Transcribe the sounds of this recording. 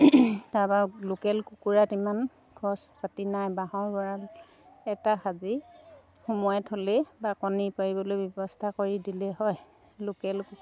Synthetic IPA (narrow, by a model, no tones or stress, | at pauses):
taɹbalukɛlkukuɹatiman | ɡʰʱɔspʰatinajbaɦɔɹbɔɹal | ɛtaxazi | xɔmɔjɔtʰolɛbakɔnipaɹibɔlojbɔbɔstʰakoɹidilɛɦɔj | lʊkɛlku